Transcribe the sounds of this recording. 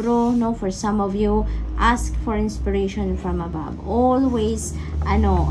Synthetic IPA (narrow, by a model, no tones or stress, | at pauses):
ɾonofɔɹsʌ̃mɔvjuʔaskfɔɹɪ̃nspɪɹeɪʃɔ̃nfɹɔ̃maba̰bɔlwez | ʔaɪno